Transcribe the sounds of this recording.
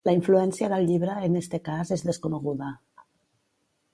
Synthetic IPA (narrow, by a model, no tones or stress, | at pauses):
laiɱfluɛnsjaðəlʎiβɾəenest̪ekazezðeskoneɣ̞uða